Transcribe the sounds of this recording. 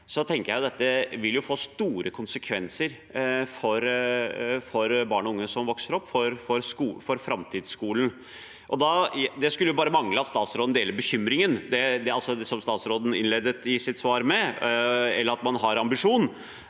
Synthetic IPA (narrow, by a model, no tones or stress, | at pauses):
sɔt̪ʰɛŋkəɾjæɪʊd̪ɛt̪ːəʋɪljʊfoːst̪uːɾʔəkʰʊnsəkʰʋɛnsəɾ | fɔɾ | fɔɾbɑːɳɔʊŋːəsɔmʋɔksəɾɔpːfɔɾfɔɾskufɔɾfɾɑmt̪ʰiːd̪skuːln̩ | ʔɔd̪ɑd̪ɛskʉlːəjʊbɑːɾəmɑŋləɑt̪st̪ɑːt̪sɾoːd̪n̩d̪eːləɾbəçʏmɾɪŋənd̪ɛd̪ɛɑlsɔd̪ɛsɔmst̪ɑːt̪sɾoːd̪n̩ɪnleːd̪ət̪ɪsɪt̪sʋɑːɾmɛ | ɛlːəɾɑt̪mɑnɦɑɾɑmbɪʂuːn